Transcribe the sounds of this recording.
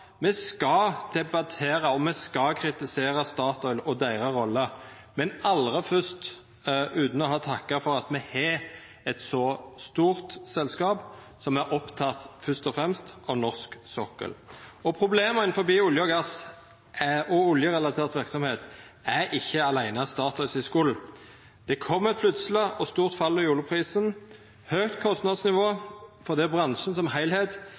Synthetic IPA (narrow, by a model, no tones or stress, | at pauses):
mɛskɑd̪̥ɛbɑt̪ʰeːɾɑɔmɛskɑkʰɾɪt̪ɪseːɾəst̪ɑːʁt̪ɔʏlɔd̪æɪʁəʁɔlːə | mɛnɑlʁəfœst̪ | ʉːt̪n̩ɔɦɑːt̪ʰɑkːɑfɔʁɑt̪mɛhɛ | ɛt̪sɔst̪uːʁt̪sɛlskɑːp | sɔmæɾʔɔpt̪ʰɑt̪fœst̪ɔfʁɛmst̪ɑʋnɔʁsksɔkə̰lɔpʰʁʊbleːməɪn̩fɔbiːʊljəɔɡɑs | ʔæɔʊljəʁɛlɑt̪ʰeːʁt̪ʋɪʁksɔmheːt̪ | æɾɪçːəɑlæɪnəɑst̪ɑːt̪ɑːsɪskuːl̩ | d̪̥ɛkʰɔmːɛt̪pʰlʉt̪sələɔst̪uːʁt̪fɑlːɔjuːlʊpʰʁiːsən | høːɡt̪kʰɔst̪nɑd̪snɪʋoːfɔʁd̪iːbʁɑnʃən̩sɔmhæɪlheːt̪